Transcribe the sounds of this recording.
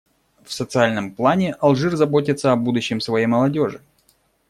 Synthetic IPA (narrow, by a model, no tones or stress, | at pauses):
fsət̪sɨalʲnəmplˠanʲɪʔɐlˠʐɨrzɐbo̞t̬ʲɪt̪səɐbud̪ʊɕːɪmsvɐjejməlˠɐdʲo̞ʐɨ